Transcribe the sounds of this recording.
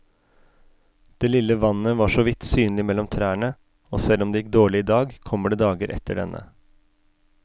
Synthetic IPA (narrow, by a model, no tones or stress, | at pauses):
d̪̥eːlɪləʋɑnːəʋɑːʂɔʋɪt̪syːnlɪmɛlɔmt̪ʰɾæːɳə | oːsɛlːɔmd̪eːjɪk̚d̪oːɭɪɪːd̪ɑːɡkʰɔmːəɖeːd̪ɑːɡəɾʔɛ̰t̪ʰːəɖɛ̰nʔə̰